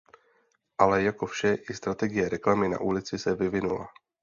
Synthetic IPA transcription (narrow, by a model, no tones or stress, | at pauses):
ʔalɛjako̞fʃɛʔɪst̪ɾat̪ɛɡɪjɛɾɛklamɪna̰ʔulɪt͡sɪsɛvɪvɪnula̰